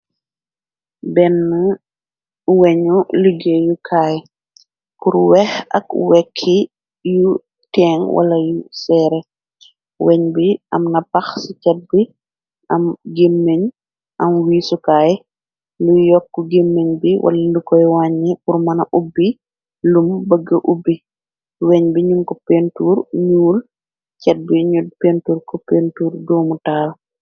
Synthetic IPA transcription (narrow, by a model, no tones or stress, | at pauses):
bɛnːɐ | wɛɲuliɡejukʰaj | kuɾwɛxɐ̰kwɛkʰːi | ju | tɛŋwʔɐ̰lɐjusɛːɾɛ | wɛɲbiɐ̰mnɐpɐxsicɛt̚bi | ʔɐmɡemːeɲ | ʔɐmwiːsukaːjɛ | lujɔkːuɡemːeɲbiwʔɐ̰lɐndukɔjwaːɲːipurmɐnɐʔubːi | lumbəɡːəʔubːi | wɛɲbiɲuŋkɔpentuːɾɲuːl | cɛt̚biɲud̚pentuːrkɔpentuːrdɔːmutaːl